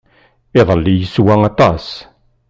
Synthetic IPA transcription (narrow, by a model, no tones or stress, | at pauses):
eðˤəlːijisuwaŋat̪as